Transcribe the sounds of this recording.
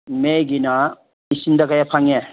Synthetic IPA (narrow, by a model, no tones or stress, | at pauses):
meɡina | isindakajapʰaŋe